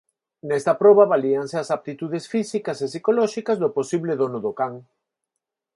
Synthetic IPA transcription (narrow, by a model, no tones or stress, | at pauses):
nɛst̪ɐpɾɔβaβaliaŋseasap̚t̪it̪uðesfisikasesikolɔʃikazðʊposiβlɪðonʊðʊkaŋ